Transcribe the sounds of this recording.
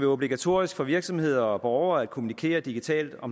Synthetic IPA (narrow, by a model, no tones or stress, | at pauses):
ʋeo̝b̥liɡ̥æt͡sʰo̝̰ɐisɡ̥fɒ̽ʋiɐɡ̥sɒ̽mhe̝ð̞̰ˠɐɒ̽b̥ɒʊɐæd̥kʰomunikʰḛːɐd̥iɡ̥it͡sʰɛ̰ːld̥ɒ̽m